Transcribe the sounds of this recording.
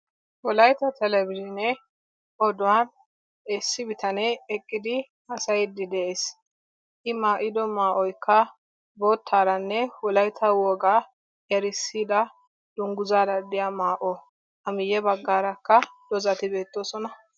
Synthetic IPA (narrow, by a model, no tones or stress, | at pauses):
wɔlɐjt̪ɐt̪ɛlɛbɪlɪnɛ | ʔɔd̪ʊwan | ɛsːɪbɪt̪ɐnɛɛkʼːɪd̪ɪ | hɐsɐjd̪ɪd̪ɛʔeːs | ʔɪmaːʔɪd̪ɔmaːʔɔjkːɐ | bo̞ːt̪ʰːaːɾɐnːɛwɔlɐjt̪ʰɐwɔːɡa | jɐɾɪsːiːd̪ɐ | d̪̥ʊŋɡʊzaːdɐd̪ɪjamaːʔɔ | ʔɐmɪjɛbɐɡːaːɾɐkːɐd̪̥ɔzɐt̪ɪbe̞ːt̪ːoːsɔnɐ